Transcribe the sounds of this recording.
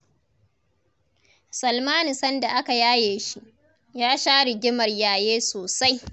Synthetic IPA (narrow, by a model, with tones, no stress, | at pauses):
sɐ˨lmaː˦ni˨sɐ˦nda˨ʔa˦ka˨jaː˦jeː˨ʃi˦ʔ | jaː˦ʃaː˦ɽɪ˨ɡʲɪ˦mɐ˨rjaː˨jeː˦soː˨sa˦j